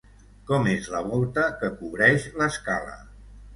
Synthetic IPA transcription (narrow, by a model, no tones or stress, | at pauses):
kɔmezləβɔlˠt̪əkəkuβɾɛʃləskalə̰